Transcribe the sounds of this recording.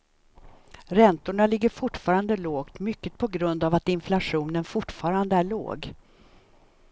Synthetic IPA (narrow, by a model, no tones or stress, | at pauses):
ɾɛnt̪ʊɳalɪɡːəɾfʊʈːfɑːɾand̪əloːɡt̪mʏkːət̪̚pʰɔɡɾɵnd̪avat̪ɪnflaɧuːnənfʊʈfɑːɾand̪əæɭo̰ːɡ